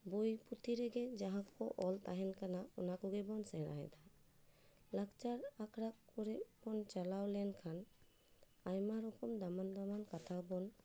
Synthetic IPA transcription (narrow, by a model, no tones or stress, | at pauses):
bojput̪iɾɛɡɛd͡ʒaɦãkɔʔɔlt̪aɦɛnkanaɔnakɔɡɛbɔnsɛɾa̰ɦɛ̰d̪ʰa | lakt͡ʃaɾakʰɾakːɔɾɛbɔnt͡ʃalawlɛnkʰan | ajmaɾɔkɔmd̪amand̪amankat̪ʰabɔn